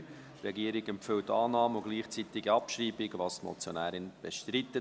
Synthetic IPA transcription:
t̪ɾɛɡiəɾɪɡɛmpfɪltːɑːnɑːməʊɡ̥liːχt͡sit̪ɪɡiɑpʃriːbɪɡvɑːst̪mɔ̰t͡sjonæːɾɪnb̥ɛʃt̪ɾit̪ːə

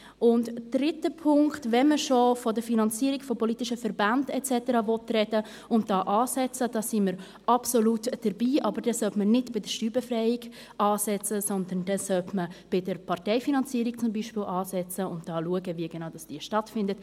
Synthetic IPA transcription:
ʔʊntd̥ɾɪtəpʰʊŋktvɛnməʃofɔdəɾfinɑnt͡siːɾikfɔpɔlitɪʃəfɛɾbandɛtt͡sɛtəɾɑvɔtrɛdə | ʊnt̚d̥ɑːʔɑːsɛt͡səd̥ɑːsiməɾ | ʔɑpsolutd̥əɾbiːʔɑbəɾdɛsœltmənɪdb̥ɪdəʃtyːbɛfɾɛɪɪɡ | ʔɑːsɛt͡səsɔnd̪ənd̥ɛsœltməb̥ɪdəɾpʰɑrtɛɪfinɑnt͡siːɾik̚t͡sʊmbiʃpɪlɑːsɛt͡səʊntd̥ɑːluəɡəviəɡɛnaʊd̥ɑsd̥iːʃtɑtfɪndət

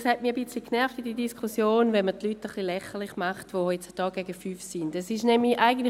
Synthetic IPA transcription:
shɛtmiːɐbɪt͡slikʰnɛʁftidiːdiskʰusjoːnvɛnmətlyːtəχlilɛχəlˠiχmaχtʋoɛt͡sd̥ɔːɡ̥ɛɡəfyːfsɪndɛsɪʃnɛmiʔaɪɡən̩tl

